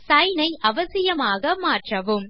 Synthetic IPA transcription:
sɐjnɐɪʔɐʋɐsɪjɐmaːɣɐmaːʈrɐʋɯm

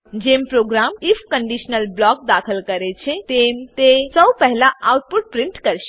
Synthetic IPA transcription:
d͡ʒempɾoːɡɾaːmipʰkəɳɖiʃnəlblɔk̚d̪aːkʰəlkəɾet͡ʃʰet̪emt̪esəbpɛɦlaawʈ̚puʈ̚pɾiɳʈkəɾʃ

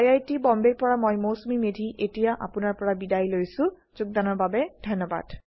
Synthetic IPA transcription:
jajtibɔmbeɹpɔɹamɔjmosumimedʱiʔetijaʔa̰pʊnaɹpɔɹabidajlojsʊ̃ | zʊk̚d̪anɔɹbabɛd̥ʱɔjnːɔba̰d̥

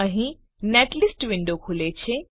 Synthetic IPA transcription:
əɦĩ | neːʈlɪsʈʋɪ̃ɳɖokʰulet͡ɕʰe

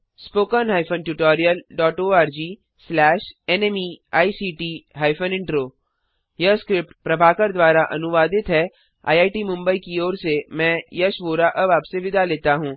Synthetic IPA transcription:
spoːkənɦaːɪfʰənʈuʈɔːɾijəlɖɔːʈoːaːɾd͡ʒiː | slɛːʃɛnɛmiaːisiːʈiːɦaːɪfʰənɪ̃ɳʈɾoː | jɐskɾɪp̚ʈpɾɐbʱaːkəɾd̪ʋaːɾaʔɐ̰nʊʋaːd̪ɪt̪ɦɛ | a̰ːjaːɪʈimʊ̃mbəikioːɾsemɛ̃ːjɐʃʋoːɾaʔɐbaːpseʋɪd̪ʱaleːt̪aɦũː

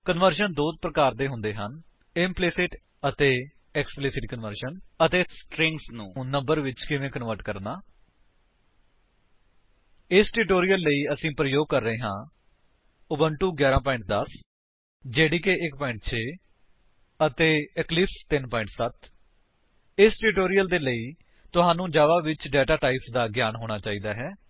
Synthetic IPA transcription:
kənʋəɾʃənd̪oːd̪̚pɾəkaːɾd̪eːɦʊ̃nd̪eːɦən | ɪmplɪsɪʈ | ət̪eː | ɛksplɪsɪʈ̚kənʋəɾʃənət̪eːsʈɾɪŋsnũːnə̃mbəɾʋɪt͡ʃkɪʋẽːkənʋəɾʈkəɾnaː | ɪsʈuʈoːɾijəlːəiːəsĩːpɾəjoːɡ̚kəɾːəeːɦãː | ʊbəɳʈuːɡjaːɾãːpɔːɪ̃ɳʈ̚d̪əs | d͡ʒeːɽiːkeːʔɪk̚pɔːɪ̃ɳʈ̚t͡ʃʰeː | ət̪eːɛklɪpst̪ɪnpɔːɪ̃ɳʈsət̪ | ɪsʈuːʈoːɾijəld̪eːləiː | t̪ʊɦãːnũːd͡ʒaːʋaːʋɪt͡ʃɖɛːʈaːʈaːipsd̪aːɡjaːnɦoːɽ̃aːt͡ʃaːiːd̪aːɦɛː

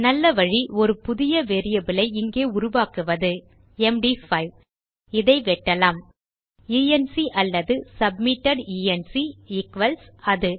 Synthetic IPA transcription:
nɐlːɐʋɐɻiɔɾɯpʊðɪjɐʋeːɾɪjɐbɪlɐɪɪŋɡeːʊɾʊʋaːkɯʋɐðɯ | ɛmɖifɐɪʋ | ɪðɐɪʋɛʈːɐlaːm | iːɛnsiʔɐlːɐðɯsɐb̚mɪʈːɐɖiːɛnsiɪkʋɐlsɐðɯ

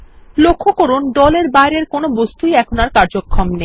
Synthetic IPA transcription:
lokʰːokoɾund̪ɔleɾbaeɾeɾkonobost̪ujɛkʰonaɾkaɾd͡ʑokʰːomne

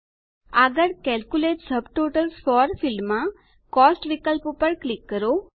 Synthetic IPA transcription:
aɡəɽkɛlkuleʈsəbʈoʈəlsfɔɾfilmːã | kɔsʈʋikəlppəɽklikːəɾo

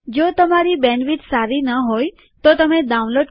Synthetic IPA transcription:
d͡ʒot̪əmaɾibɛnʋiʈsaɾinəɦoj | t̪ot̪əmed̪aũnloɖ

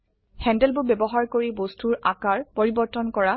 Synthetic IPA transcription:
hɛ̃ndɛlbʊbɛbɔɦaɹkoɹibostʰuɹʔakaɹpoɹibɔɹtɔnkɔɹa

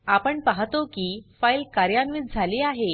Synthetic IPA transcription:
apəɳpaɦt̪okiːfailkaɾjanʋit̪̚d͡zʱaleːaɦe

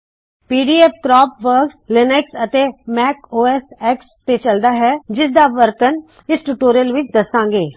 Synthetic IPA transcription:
piːɖiːɛːp̚kɾɔːpʋəɾkslɪnɛksət̪eːmɛːkoːɛsɛːkst̪et͡ʃəld̪aːɦɛd͡ʒɪsd̪aʋəɾt̪ən | ɪsʈuːʈoːɾijəlʋɪt͡ʃd̪əsãːŋɡeː

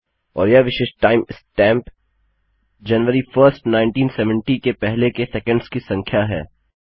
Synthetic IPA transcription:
ɔ̰ːɾjaʋɪʃeːʃʈaːɪmɪsʈɛ̃ːmp | d͡ʒɐnʋəɾifəɾsʈnaːɪ̃ɳʈiːnsɛʋə̃ɳʈikepɛɦlekesɛkə̃ɳɖz̥kisɐ̃ŋkʰjaɦɛ̰ː

